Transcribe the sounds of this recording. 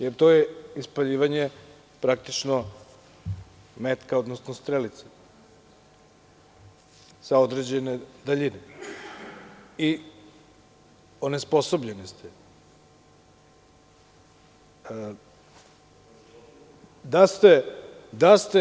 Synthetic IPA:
jeɾt̪o̞jeispaʎiːʋaɲe | pɾak̚t̪it͡ʃno | met̪kao̞d̪nosnost̪ɾelit̪se̥ | sao̞d̪ɾed͡ʑened̪aʎine | i | onespo̞so̞bʎenist̪ʰɛ | d̪ast̪ed̪ast̪e

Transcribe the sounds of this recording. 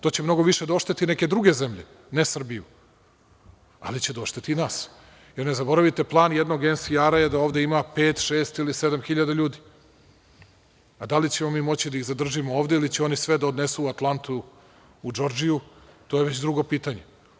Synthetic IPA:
t̪o̞ːt͡ɕemno̞ɡo̞ʋiʃed̪oʃt̪et̪ineke̞d̪ɾuɡe̞zemʎe | nesr̩biju | a̰lit͡ɕed̪oʃt̪et̪inaːs | jeɾnezabo̞ɾaʋit̪e̞plˠaːnjed̪no̞ɡensiaɾajed̪aoːʋd̪eimapeːt̪ʃeːst̪ilise̞d̪amxiʎad̪aʎuːd̪i | ad̪alit͡ɕe̞momiːmo̞t͡ɕid̪aiɣzad̪r̩ʒimooːʋd̪e̞ilit͡ɕeo̞nisʋed̪aod̪nesuat̪lˠant̪uː | d͡ʒo̞ɾd͡ʒijut̪o̞ːjeʋe̞t͡ɕd̪ɾuɡo̞piːt̪aɲe

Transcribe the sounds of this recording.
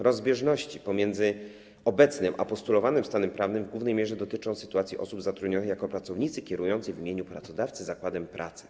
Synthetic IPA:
ɾɔzbʲjɛʐnɔɕt͡ɕipɔmʲjɛnd̪zɘ | ɔbɛt̪snɘmʔa̰pɔst̪ulɔvanɘmst̪anɛmpɾavnɘmvɡwuvnɛjmʲɛʐɛd̪ɔt̪ɘt͡ʂɔ̃w̃sɘ̥t̪uat̪sʲiʔɔ̰subzat̪ɾud̪ɲɔnɘxjakɔpɾat̪sɔvɲit̪sɘkʲɛɾujɔnt̪sɘjvʲimʲeɲupɾat̪sɔd̪aft̪sɘzakwad̪ɛmpɾʔa̰t̪sɘ̥

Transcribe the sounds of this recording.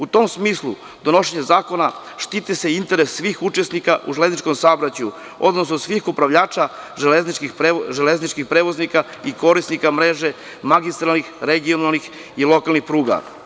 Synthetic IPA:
ut̪o̞msmiːslu | d̪o̞no̞ʃeɲezaːko̞na | ʃt̪it̪eseint̪e̞ɾesːʋiːxut͡ʃe̞snikaʔṵʒele̞znit͡ʃko̞msabɾat͡ɕju | o̞̰d̪nosnosʋiːxupɾaʋʎaːt͡ʃa | ʒeleznit͡ʃkixpɾeʒeleznit͡ʃkixpɾeːʋo̞znika | iko̞ɾisnikamɾe̞ːʒe̞ | maɡist̪ɾalnixɾeɡionalˠnix | ilˠo̞kalˠnixpɾuːɡa̰

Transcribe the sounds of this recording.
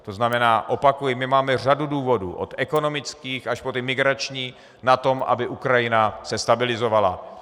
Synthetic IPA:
t̪o̞znamɛnaːʔo̞pakujɪmɪmaːmɛraduduːvo̞dṵːʔo̰t̪ʔɛko̞no̞mɪt͡skiːxaʃpot̪ɪmɪɡɾat͡ʃɲiː | nat̪o̞mʔa̰bɪʔukɾajɪnasɛst̪abɪlɪzo̞vala̰

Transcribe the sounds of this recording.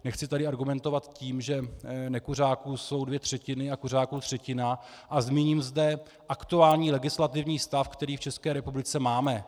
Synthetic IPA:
nɛxt͡sɪt̪adɪaɾɡumɛnt̪o̞vat̪ciːmʒɛnɛkur̝aːkuːso̞wdvjɛt̪r̝̥ɛcɪnɪakur̝aːkuːt̪r̝̥ɛcɪnaʔazmiːɲimzdɛ | ʔakt̪uaːlɲiːlɛɡɪslat̪ɪvɲiːst̪afkt̪ɛɾiːft͡ʃɛskɛːɾɛpublɪt͡sɛmaːmɛ

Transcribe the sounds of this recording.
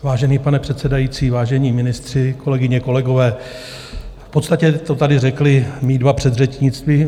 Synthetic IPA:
vaːʒɛniːpanɛpr̥ɛt̪sɛdajiːt͡siːvaːʒɛɲiːmɪnɪst̪r̝̥ɪko̞lɛɡɪɲɛko̞lɛɡo̞vɛː | fpot̪st̪acɛt̪o̞t̪adɪrɛklɪmiːdvapr̝̥ɛd̪rɛt͡ʃɲɪt͡st̪viː

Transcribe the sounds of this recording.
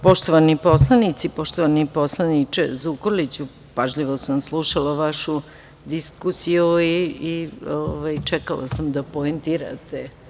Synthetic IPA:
poʃt̪oʋanipo̞slˠanit̪sipo̞ʃt̪oʋaniposlˠanit͡ʃḛzukolit͡ɕu | paʒʎiʋo̞samslˠuʃalaʋaʃu | d̪iskusijuiioʋajt͡ʃɛkalˠa̰samd̪apoent̪iːɾa̰t̪e

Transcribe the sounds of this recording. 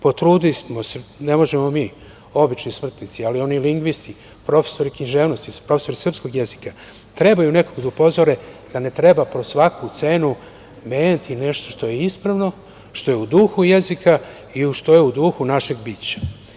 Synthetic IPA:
po̞t̪ɾuːd̪ismosene̞mo̞ʒemo̞miː | o̞bit͡ʃnismr̩t̪nit̪sialio̞niliŋɡʋist̪i | pɾo̞fe̞̥so̞ɾikinʒeːʋno̞st̪ipɾo̞feso̞ɾisr̩psko̞ɡje̞zika | t̪ɾe̞bajune̞koɡd̪aupo̞zoɾe̞d̪̥ane̞t̪ɾe̞bapɾosʋakʰut̪se̞ːnu | me̞ːɲat̪ʰine̞ʃt̪o̞ʃt̪o̞jeispɾaʋno̞ | ʃt̪o̞jeud̪uxuje̞zika | iuʃt̪o̞jeud̪uxunaʃe̞ɡbiːt͡ɕḁ

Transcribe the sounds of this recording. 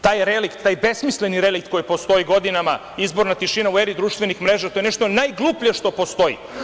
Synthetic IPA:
t̪aːjɾelikt̪t̪ːaːjbesmisleniɾelikt̪̚ko̞jipo̞st̪o̞jiɡod̪inama | izbo̞ɾnat̪iʃinaueɾid̪ɾuːʃt̪vʋe̞nixmɾeʒat̪ojeneʃt̪o̞najɡlˠuplijeʃt̪o̞po̞st̪o̞ḭ

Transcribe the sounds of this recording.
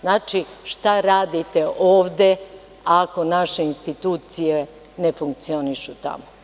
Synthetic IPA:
znaːt͡ʃiʃt̪aɾaːd̪it̪e̞ʔoːʋd̪e̞ | ako̞naʃeinst̪it̪uːt̪sije | nefuŋk̚t̪sio̞niʃut̪a̰mo

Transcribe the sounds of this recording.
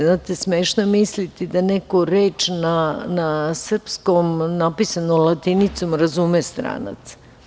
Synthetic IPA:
znaːt̪esmeːʃnomislit̪id̪anekoɾeːt͡ʃnanasr̩pskomnapisanomlat̪init̪somɾazumest̪ɾa̰ːna̰t̪sḁ

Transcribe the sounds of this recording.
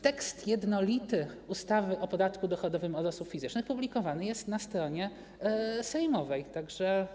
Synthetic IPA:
t̪ɛkst̪jɛd̪nɔlʲit̪ɘ | ust̪avɘʔɔpɔd̪at̪kud̪ɔxɔd̪ɔvɘmɔd̪ɔsupʲfʲizɘt͡ʂnɘxpublʲikɔvanɘjɛst̪nast̪ɾɔɲɛ | sɛjmɔvɛjt̪aɡʐɛ

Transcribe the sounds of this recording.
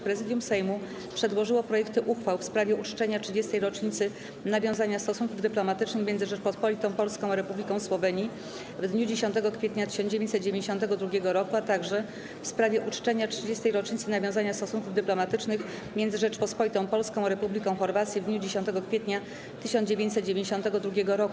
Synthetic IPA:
pɾɛzɘd̪ʲjumsɛjmu | pʂɛd̪wɔʐɘwɔpɾɔjɛkt̪ɘʔuxfawfspɾavʲjɛut͡ʂt͡ʂɛɲatʂɘd͡ʑɛst̪ɛjɾɔt͡ʂɲit̪sɘ | navʲjɔ̃w̃zaɲast̪ɔsuŋkuvd̪ɘplɔmat̪ɘt͡ʂnɘxmʲɛnd̪zɘʐɛt͡ʂpɔspɔlʲit̪ɔ̃w̃pɔlskɔ̃w̃aɾɛpublʲikɔ̃w̃swɔvɛɲi | vd̪ɲud͡ʑeɕɔnt̪ɛɡɔkfʲjɛt̪ɲat̪ɘ̥ɕɔnd͡ʑevjeɲt͡ɕsɛt̪̚ːd͡ʑevʲẽɲd͡ʑʲeɕ̬ɔ̃nt̪ɛɡɔd̪ɾuɡʲjɛɡɔɾɔkuat̪aɡʐɛ | fspɾavʲjɛʔut͡ʂt͡ʂɛɲatʂɘd͡ʑɛst̪ɛjɾɔt͡ʂɲit̪sɘnavʲjɔ̃w̃zaɲast̪ɔsunkuvd̪ɘplɔmat̪ɘt͡ʂnɘx | mʲjɛnd̪zɘʐɛt͡ʂpɔspɔlʲit̪ɔ̃w̃pɔlskɔ̃w̃aɾɛpublʲikɔ̃w̃xɔɾvat̪sʲjivd̪ɲud͡ʑeɕɔnt̪ɛɡɔkfʲjɛt̪ɲa | t̪ɘɕɔnd͡ʑevʲẽɲt͡ɕʲsɛt̪̚d͡ʑevʲẽɲd͡ʑeɕɔnt̪ɛɡɔd̪ɾuɡʲɛɡɔɾɔku

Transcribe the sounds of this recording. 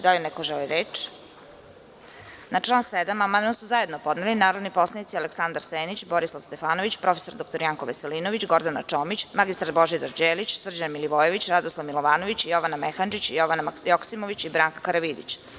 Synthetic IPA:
d̪alinɛkoʒeliɾeːt͡ʃ | nat͡ʂlaːnsed̪amamanmasuzaje̞d̪nopo̞d̪nelinaːɾod̪nipo̞slˠenit̪sialeksand̪aɾseːnit͡ɕbo̞ɾislˠaʋst̪e̞faːno̞ʋit͡ɕpɾo̞fesoɾd̪okt̪oɾijaːŋkoʋeseliːnoʋit͡ɕɡo̞ɾd̪anat͡ʂoːmit͡ɕmaɡist̪ɾad̪bo̞ʒid̪aɾd͡ʑeːlit͡ɕsr̩d͡ʑanmiliʋojeʋit͡ɕɾad̪oslˠaʋmilˠoʋaːnoʋit͡ɕjo̞ʋanamexand͡ʒit͡ɕjoʋanajoksimoʋit͡ɕibɾaːŋkakaɾaʋid̪ḭt͡ɕ

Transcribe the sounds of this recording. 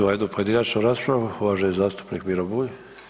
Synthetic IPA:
ojed̪nupoje̞d̪inat͡ʃnuɾaːspɾaʋuuʋaːʒejezaːst̪u̥pnikmiɾobuji

